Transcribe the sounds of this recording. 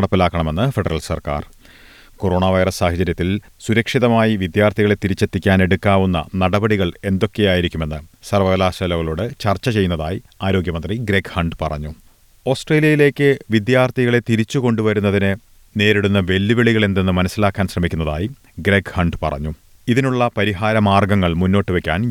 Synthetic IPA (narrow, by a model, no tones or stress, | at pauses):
ɐɽɐpːilaːkːɐɳɐme̞nːɨfeɽɐrɐlsɐ̰rka̰ːr | koro̞ːɳaːʋɐjrɐsːaːhɐt͡ɕɐɾjɐt̪ːil | suɾɐkʂiðɐmaːjiʋid̪jaːrt̪ʰiɣɐɭe̞t̪iɾit͡ɕːet̪ːikʲːaːne̞ɽukːaːʋunːɐ̰nɐɽɐbɐɽiɣɐɭe̞nd̪o̞kːe̞jaːjiɾikʲːume̞nːɨsɐrʋɐɣɐlaːɕɐlɐɣɐɭoːɽɨt͡ɕɐrt͡ɕːɐt͡ɕe̞jːunːɐðaːjiaːɾo̞ːɡjɐmɐnd̪riɡɾekhɐɳɖpɐrɐ̰ɲːu | o̞ːsʈreːlijɐjile̞ːkʲːɨʋid̪jaːrt̪ʰiɣɐɭe̞t̪iɾit͡ɕːuko̞ɳɖuʋɐɾunːɐðinɨ | ne̞ːɾiɽunːɐʋe̞lːiʋeɭiɣɐɭe̞nd̪enːɨmɐnɐsːilaːkːaːnɕrɐmikʲːunːɐða̰ːji | ɡɾekhɐɳɖpɐ̰rɐ̰ɲːu | iðinuɭːɐpɐɾiɦaːɾɐmaːrɡɐŋːɐɭmunːo̞ːʈːɨʋe̞kʲːaːn